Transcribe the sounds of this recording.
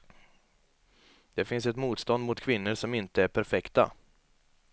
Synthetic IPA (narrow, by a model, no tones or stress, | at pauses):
d̪̥ɛfɪnsɛt̪muːt̪st̪ɔnd̪mʊt̪kʰvɪnːəɾʂɔmɪnt̪əæɾpʰæɾfɛkt̪a̰